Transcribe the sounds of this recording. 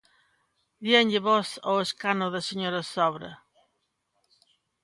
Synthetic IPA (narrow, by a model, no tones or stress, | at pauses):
d̪jɛɲʎɪβɔsoeskanoðɐseɲoɾɐsɔβɾɐ̰